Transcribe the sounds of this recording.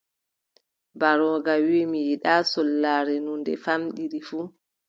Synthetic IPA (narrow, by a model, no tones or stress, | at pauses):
baɾɔːɡawiːmijiɗaːsɔlːaːɾɛnundɛfamɗiɾifuː